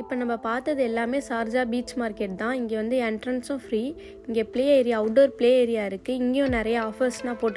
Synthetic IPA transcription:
ɪpːoːnɐmːɐpaːɾt̪ɐðɯɛlːaːmeːsaːɾd͡ʒaːbiːt͡ʃmaːɪɾkːeʈ̚t̪ãːɪŋɡeːʋɐnd̪ɯɛɳʈɾɐnsʊ̃fɾiː | ɪŋɡeːpɪɭeːɐɪɾɪjaɐʊʈːoːɾpɪɭeːɐɪɾɪjaːɪɾɯkːɯɪŋɡejõnɪɾɐjɐaːfɐɾsnãːpoːʈːɯ

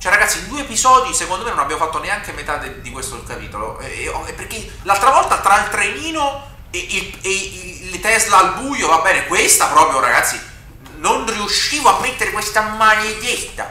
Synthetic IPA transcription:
t͡ʃwɛɾaɡat̪sːind̪uːeepizɔːd̪isekond̪omenonabjamofat̪ːoneaŋkemet̪at̪ed̪ikwest̪oelkapḭːt̪olo̰ʔɛ̰ɔɛpːerke | lalt̪ɾavɔlt̪at̪ɾailt̪ɾeniːno | ilelt̪ɛzlaːlbuːjovabːɛːnekwest̪apɾɔːpɾjoɾa̰ɡat̪sːi | nonriuʃːiːvoamːet̪ːeɾekwest̪amajed̪jet̪ːa̰

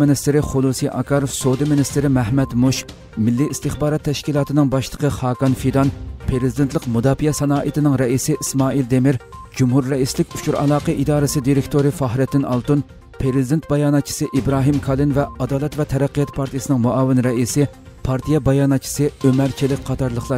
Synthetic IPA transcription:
mɪnist̪ɪɾɪχʊlˠusiʔɑ̰kʰɑːɾofsod̪imɪnɪst̪ɪɾɪmɛhmɛt̪muʃk | mɪlːiist̪ɨχbɑːɾɑt̪ʰːɛʃkʲilˠɑːt̪ɨnɨŋbɑʃlˠə̥qʰəχɑːkɑnfid̪ɑnpʰɾeɾɪzid̪ent̪ʰlˠəqmud̪ɑːfijɛsɛnɑːʔit̪ɪnɪŋɾɛisɪʔismɑːild̪emɪɾd͡ʒumɦuɾːɛislɪkʲu̥t͡ʃʰuɾɑ̰lˠɑːqəʔid̪ɑːɾɨsɨd̪iɾɪkʲt̪ʰoɾɨfɑɦɾɪt̪ːɪnʔɑlˠt̪un | pʰɾeɾɪzid̪ent̪̚bɑjɑːnɑt̪̚t͡ʃʰi̥sɨʔibɾɑːɦimkʰɑlˠɨnvɛɑd̪ɑːlˠɛt̪vɛt̪ʰɛɾɛqːijɑt̪pʰɑɾt̪ʰijesɨnɨŋmuʔɑːvɪnɾɛisɪ | pʰɑɾt̪ʰijɛbɑjɑːnɑt̪̚t͡ʃʰi̥sɨømæɾt͡ʃʰilɪk̚ʲqʰɑt̪ʰɑɾlˠəχlˠɑ

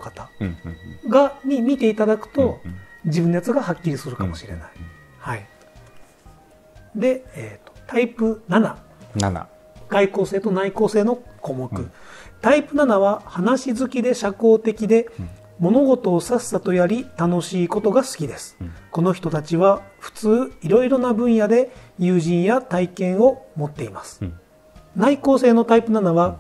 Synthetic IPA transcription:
kat̪a | ɡaɲ̟imʲit̪e̞it̪ad̪akɯ̟̥t̪o̞d͡ʑibɯ̃nːojat͡sɨɡahakʲːiɾʲisɨɾɯ̟kamo̞ɕiɾe̞̰na̰i̥ | hai | d̪e̞eːt̪o̥t̪aipɯ̟nana̰ | ɡ̥aiko̞ːse̞ːt̪o̞naiko̞ːse̞ːno̞komo̞kɯ̟t̪aipɯ̟nanaβahanaɕizɨkʲid̪e̞ɕako̞ːt̪e̞kʲid̪e̞ | mo̞no̞ɡo̞t̪o̞ːsasːat̪o̞jaɾʲit̪ano̞ɕiːko̞t̪o̞ɡasɨ̥kʲid̪e̞sɨ̥ko̞no̞çi̥t̪o̞t̪at͡ɕiβaɸɯ̟̥t͡sɨːiɾo̞iɾo̞nabɯ̟̃ɰ̃jad̪e̞jɯːʑĩɰ̃jat̪aikẽ̞ɰ̃o̞mo̞t̪ːe̞imasɨ̥ | naiko̞ːse̞ːno̞t̪aipɯ̟nanaβa

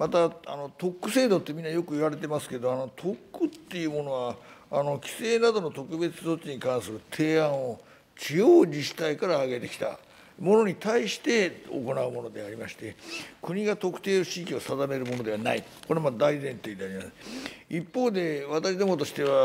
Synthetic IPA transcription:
mat̪aa̰no̞t̪o̞kːɯ̟se̞ːd̪o̞t̪ːe̞mʲĩnːajo̞kɯ̟iβaɾe̞t̪e̞masɨ̥ke̞d̪oano̞t̪ʰo̞kːɯ̟t̪ːe̞jɯ̟ːmo̞no̞βaːno̞kʲi̥se̞ːnad̪o̞no̞t̪o̞kɯ̟be̞t͡sɨ̥zo̞t͡ɕːiɲ̟ikãɰ̃sɨɾɯ̟t̪ʰe̞ːãɰ̃o̞ | t͡ɕiɨjoːd͡ʑiɕi̥t̪aikaɾaːɡe̞t̪e̞kʲi̥t̪a̰ | mo̞no̞ɲ̟it̪aiɕi̥t̪e̞o̰ko̞naɯ̟mo̞no̞d̪e̞aɾʲimaɕi̥t̪e̞kɯ̟ɲ̟iɡat̪o̞kɯ̟̥t̪e̞ːoɕikʲio̞sad̪ame̞ɾɯmo̞no̞d̪e̞βana̰i | ko̞ɾemad̪aizẽ̞nt̪e̞ːd̪eaɾʲimasipːo̞ːd̪e̞βat̪aɕid̪omo̞t̪o̞ɕi̥t̪e̞βa

